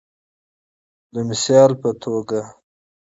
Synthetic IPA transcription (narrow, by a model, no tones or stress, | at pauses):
d̪əmɪsjɑlpət̪ʰoɡa